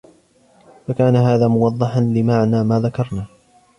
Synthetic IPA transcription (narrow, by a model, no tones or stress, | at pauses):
fakaːnaɦaːðaːmʊwɑðˤːɑħanlɪmaʕnaːmaːðakɑɾˤnaː